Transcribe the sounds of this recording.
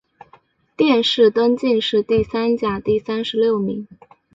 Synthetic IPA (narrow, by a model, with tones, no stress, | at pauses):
t̪jɛ˥˧nʂɻ̩˥˩t̪wə˥nt͡ɕi˥˧ŋʂɻ̩˥˧t̪i˥˩sa˥nt͡ɕja˨˩t̪i˥˩sa˥nʂɻ̩˧˥ljo˥˩ʊmi˧˥ŋ